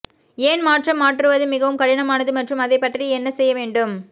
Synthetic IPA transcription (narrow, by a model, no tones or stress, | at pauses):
eːnmaːʈrɐmːaːʈrɯʋɐðɯmɪɣɐʋɯmkɐɽɪnɐmaːnɐðɯmɐʈrɯmɐðɐɪpːɐʈriɛnːɐsɛjːɐʋeːɳɖɯm